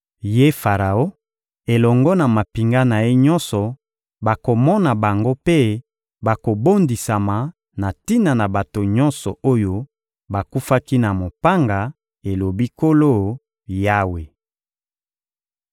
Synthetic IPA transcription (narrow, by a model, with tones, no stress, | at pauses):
je˦fa˨ʁa˨o˦ | e˨lɔ˨ŋɡɔ˦na˨ma˨pi˨ŋɡa˦na˨je˦ɲɔ˦nsɔ˨ | ba˨ko˨mɔ˦na˨ba˨ŋɡo˦pe˦ | ba˨ko˨bo˦ndi˨sa˨ma˨ | na˨ti˦na˨na˨ba˨to˨ɲɔ̃˦nsɔ˨o˦jo˦ | ba˨ku˦fa˦ki˦na˨mo˨pa˦ŋɡa˨ | e˨lo˨bi˦ko˦lo˦˨ | ja˦we˨